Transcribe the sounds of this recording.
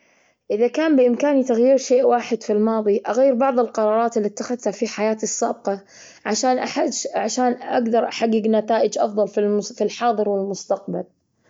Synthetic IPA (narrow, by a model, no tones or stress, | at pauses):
ʔɪðakaːmbɪʔɪmkaːnit̪aɣjiːɾʃeːʔwaːħɪd̪filmɑːðˤiʔaɣaːɪɾbɑʕðˤɪlqɑɾˤɑːɾˤɑːt̪ɪlːit̪ːaxaðt̪hafiħajaːt̪ɨsːaːb̚qɑ | ʕaʃaːnʔaħaʕaʃaːnʔa̰ɡd̪ɑɾˤʔaħaɡːɪɡnat̪aːʔɪd͡ʒʔɑ̰fðˤɑlfifilħɑːðˤɨɾwɪlmʊst̪aq̚bal